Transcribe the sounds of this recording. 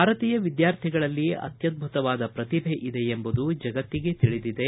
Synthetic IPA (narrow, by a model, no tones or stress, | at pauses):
bʱaːɾɐt̪iːjɐʋid̪jaːɾt̪ʰiɡɐɭɐlːiɐ̰t̪jɐd̪̚bʱut̪ɐʋaːd̪ɐpɾɐt̪ibʱeʔid̪e̞embud̪ud͡ʒɐɡɐt̪ːiɡe̞t̪iɭid̪id̪e